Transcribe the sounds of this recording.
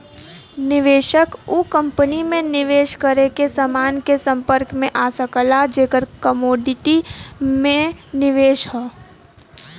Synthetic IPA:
nɪʋeːʃəkukə̃mpənimẽnɪʋeːʃkəɾekesəmaːnkesə̃mpəɾkmẽʔaːsəkəlad͡ʒeːkəɾkəmoːɖɪʈimẽnɪʋeːʃɦɛː

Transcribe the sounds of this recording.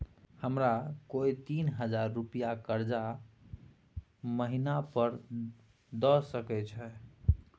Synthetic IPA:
həmɾakojt̪inɦəd͡ʒaɾːupijakəɾd͡ʒa | məɦinapəɾ | d̪ɔsəkɛt͡ʃʰɛ

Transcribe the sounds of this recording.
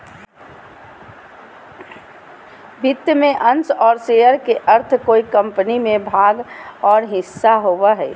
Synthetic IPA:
bʱɪt̪jəmẽʔɐ̃nsɔːɾseəɾkeʔəɾt̪ʰkoːikə̃mpənimẽbʱaːɡɔːɾɦɪsːaɦoːwaɦɛ̰ː

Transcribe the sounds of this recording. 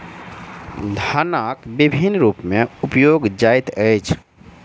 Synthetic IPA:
d̪ʱanakbibʱinɾuːpmẽʊpjoɡd͡ʒajt̪əjt͡ʃʰ

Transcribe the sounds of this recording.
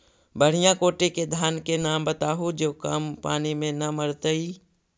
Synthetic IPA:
bəɽ̤ijãkoːʈeked̪ʱaːnkenaːmbət̪aːɦud͡ʒoːkampaːnimẽnɐməɾt̪əi

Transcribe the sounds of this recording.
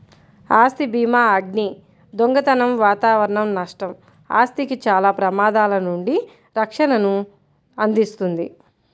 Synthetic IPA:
aːst̪ibiːmaːɐɡni | d̪oŋɡɐt̪ɐnɐmʋaːt̪aːʋɐɾɐɳɐmnɐʂʈɐm | a̰ːst̪ikit͡ʃaːlaːpɾɐmaːd̪aːlɐnuɳɖi | ɾɐkʂɐnɐnu | ɐnd̪ist̪und̪i

